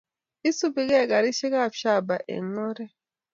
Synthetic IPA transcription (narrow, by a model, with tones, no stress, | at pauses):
i˦su˦bi˨ɣɛ˦˨ɡa˨ɾi˦ʃi˦ka˦˨ʃa˦˨ba˨ʔḛ˨ŋɔ˦ɾɛ˦